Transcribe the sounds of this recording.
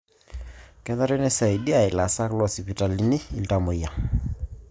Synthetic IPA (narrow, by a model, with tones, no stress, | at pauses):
kɛ˦ða˦ɾɛ˦nɛ˦sa˨i˨di˦a˨i˨la˨sa˦klɔ˦si˨pi˨ta˨li˨ni˦ḭ˨lta˨mo˨ja˨